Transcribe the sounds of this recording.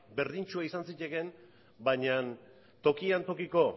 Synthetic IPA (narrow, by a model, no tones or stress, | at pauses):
be̞ɾðint͡ʃuaisansice̞ɣe̞n | baɲan | t̪o̞kiant̪o̞kiko̞